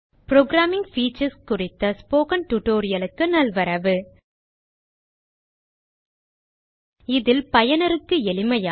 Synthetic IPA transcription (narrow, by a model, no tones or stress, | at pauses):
pɾoːɡɾaːmɪ̃ŋɡfiːt͡ʃɐɾskʊrɪt̪ːɐspoːkɐnʈʊʈoːɾɪjɐlɯkːɯnɐlʋɐɾɐʋɯ | ɪðɪlpɐjɐnɐɾɯkːɯɛlɪmɐjaː